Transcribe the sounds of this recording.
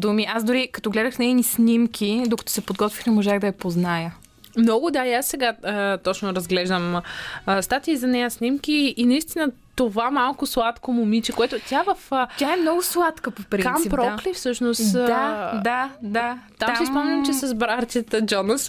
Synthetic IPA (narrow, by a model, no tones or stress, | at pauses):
d̪umiʔasd̪ʊɾikɐ̥t̪ɔɡlɛd̪əxnɛjnisnʲimkʰʲid̪okɐ̥t̪ɔ̥sɛpod̪ɡɔt̪vixnɛmoʒaɣd̪ɐɛpoznajə | mnɔɡʊd̪aiasːɛɡaət̪ɔt͡ʃnʊɾɐzɡlɛʒd̪əmː | st̪at̪ʲiːzɐnɛjəsnʲimkʲiːnɐist̪inə | t̪ovamalˠkʊslˠat̪komʊmit͡ʃɛkoɛt̪ʊt̪ʲavɐft̪ʲaɛmnɔɡʊslˠat̪kəpopɾik̪nammipɾɔklifsɤʃnosd̪ad̪at̪amasispɔmɛnʲɐmt͡ʃɛsɐzbɾaɾt̪ʲət̪əd͡ʒɔnəs